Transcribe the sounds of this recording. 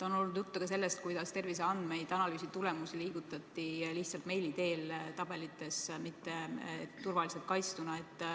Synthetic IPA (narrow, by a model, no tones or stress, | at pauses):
t̪ɑono̞lnud̪̥jut̪ːekɑs̬e̞lːe̞st̪̚kujd̪ɑst̪e̞rvis̬eɑnd̪̥me̞jd̪̥ɑnɑlyːsit̪ule̞musiliːɡ̥ut̪ːˑɑt̪ːˑiliht̪sɑlt̪me̞jlit̪e̞ːlt̪ɑb̥e̞lit̪ːˑe̞smit̪ːe̞t̪urvɑliselt̪̚kɑjst̪unɑe̞t̪ːˑ